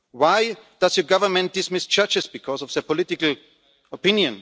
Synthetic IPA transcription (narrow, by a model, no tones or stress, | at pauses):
waɪd̥azjəɡavə˞mɛ̃nt̚d̥ɪsmɪst͡ʃʌt͡ʃɨsb̥ɨkʰɔsɔfðəpɔlɪtɪkl̩ | ɔpɪ̃njɨ̃n